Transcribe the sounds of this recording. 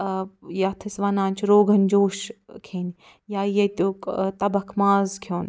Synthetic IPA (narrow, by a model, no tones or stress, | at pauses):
jaːt̪ʰisʋɐnaːnt͡ʃʰɾoːɡʱɐnd͡ʒoːʃkʰeːni | jaːjɐt̪oːkt̪ɐbɐkʰmaːzkʰjoːn